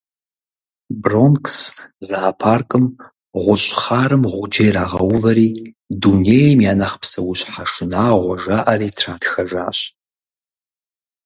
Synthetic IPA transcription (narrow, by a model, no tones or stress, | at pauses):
bronkʰszaːpʰaːrkʼɨm | ʁʷʊɕʼχaːɾɨmʁʷʊd͡ʒejɾaːʁɐwʊvɐɾiː | duneːjɛmjaːnɐχpsɐwʊɕʼħaʂɨnaːʁʷɔʒaːʔɐɾiːtʰraːtxɐʒaːɕ